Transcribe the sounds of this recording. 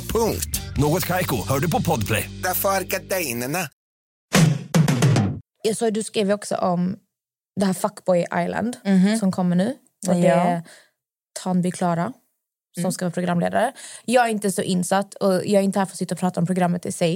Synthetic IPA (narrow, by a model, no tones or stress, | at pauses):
pʰɵŋkt̪noːɡɔt̪kʰajkʊhœːɖɵpɔpʰɔd̪pʰlɛ̰jd̪̥afœɾɡaɖɛjnəɳa | jɑːɡsɑːɡd̪ɵskɾiːvəɾɔksɔ̰ʔɔm | d̪ɛhæːɾfakːbɔjʔa̰jla̰nd̪sɔmkʰɔmːəɳʉ̟ː | fɔɖ̪ɛæ | t̪ʰɑnbɪkʰlɑːɾa | sɔmskavɑːpʰɾʊɡɾamlḛːd̪aɾəjɑːɡæɾɪnt̪əsɔʔɪnsat̪ːɔjɑːɡæɾɪnt̪əhæːfɾɔsɪt̪ːɔpʰɾɑːt̪aɔmpʰɾʊɡɾamːət̪ɪ̰sɛj